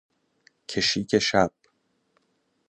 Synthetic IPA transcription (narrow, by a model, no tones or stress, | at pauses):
cʰeʃiːcʰe̞ʃæb̥̚